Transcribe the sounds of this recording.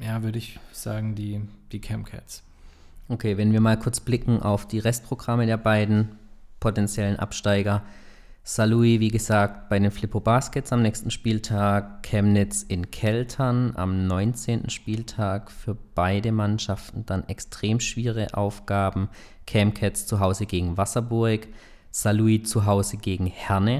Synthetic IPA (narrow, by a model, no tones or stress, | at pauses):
jaːvʏɐɾəɪçz̥a̰ːɡŋ̩diːd̥iːkʰɛmkʰɛ̰s | ʔokʰeːvɛnviːɐmaːlkʰʊɐt͡sb̥lɪkŋ̩ʔa̰ʊfd̥iːʁɛst̚pʁ̥oɡʁamədeːɐbaɪdn̩pʰotɛnt͡sjɛlənʔa̰pʃtaɪɡɐ | saluiviːɡəzaːk̚t̚b̥aɪdeːnflɪpʰobaːskɛt͡samnɛːçstn̩ʃpiːltʰaːkkʰːɛmnɪt͡sɪnkʰɛltʰɐnʔa̰mnɔʏnt͡seːntn̩ʃpiːltʰaːkfyːɐb̥aɪdəmanʃaftn̩d̥anɛkstʁ̥eːmʃv̥iːʁ̞ə̰ʔa̰ʊfɡ̥aːbm̩ | kʰɛːmkʰɛtst͡suɦaʊzəɡeːɡŋ̩vasɐbʊɐk | z̥aluit͡suɦaʊzəɡeːɡŋ̩hɛɐnə